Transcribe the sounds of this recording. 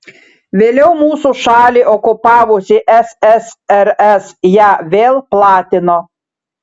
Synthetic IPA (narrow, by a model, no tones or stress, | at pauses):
ʋʲeːlʲɛʊmuːsuʃɑːlʲiːʔɔkʊpɑːʋʊsʲɪʔɛsɛsɛɾɛsjæːʋʲeːlˠplˠɑːt̪ʲɪnoː